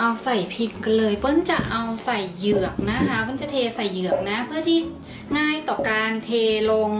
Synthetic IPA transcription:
ʔa˧wsa˨˩jpʰi˧ŋka˧nlɤː˧jpɯ˧˥nt͡ɕa˨˩ʔa˧wsa˨˩jːɯ˨˩ək̚na˦˥kʰa˦˥pʰo˧˥nt͡ɕa˨˩t̪ʰeː˧sa˨˩jːɯ˨˩ək̚na˦˥pʰɯ˥˩ɐt̪ʰi˧˥˩ | ŋaː˥˩jt̪ɔː˨˩kaː˧nt̪ʰeː˧lo˧ŋ

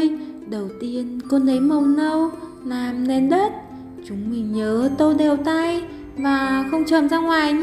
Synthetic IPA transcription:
jɗə˨˩wt̪i˧ənko˧nʔə˨˦jmə˨˩wnə˧w | laː˨˩mnɛ˨˧nɗə˦˥t̚ | t͡ɕʊ˨˦ŋ͡mmï˨˩ŋɲəː˨˦t̪o˧jɗɛ˨˩wt̪a˧j | vaː˨˩xə˧wŋ͡mt͡ɕəː˨˩mzaː˧ŋwaː˨˩j

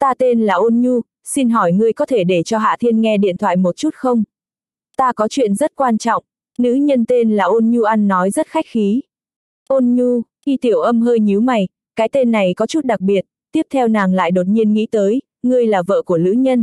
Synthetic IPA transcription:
t̪aː˧t̪e˧nlaː˨˩ʔo˧nɲu˧ | si˧nɦɔ˧˩jŋɨ˧əjkɔ˨˦t̪ʰe˧˩ɗe˧˩t͡ɕɔ˧ɦa̰ː˧˨t̪ʰi˧ənŋɛ˧ɗḭ˧˨ənt̪ʰwa̰ː˧˨jmo˨˩t̚t͡ɕu˦˥t̚xə˧wŋ͡m | t̪aː˧kɔ˨˦t͡ɕwḭ˧˨ənzə˦˥t̚kwaː˧nt͡ɕɔ̰˧˨wŋ͡m | nɨ̰˧˥ɲə˧nt̪e˧nlaː˨˩ʔo˧nɲu˧ʔa˧nːɔ˨˦jzə˦˥t̚xa˦˥jk̚xi˨˦ | ʔo˧nɲu˧xi˧t̪i˧˩əwʔə˧mɦəː˧jɲi˨˦wma˨˩j | kaː˨˦jt̪e˧nːa˨˩jkɔ˨˦t͡ɕu˦˥t̚ɗa˨˩k̚ɓi˨˩ət̚t̪i˦˥əp̚t̪ʰɛ˧wnaː˨˩ŋla̰ː˧˨jɗo˨˩t̚ɲi˧ənŋḭ˧˥t̪əː˨˦j | ŋɨ˧əjlaː˨˩və̰ː˧˨ku˧˩əlɨ̰˧˥ɲə˧n

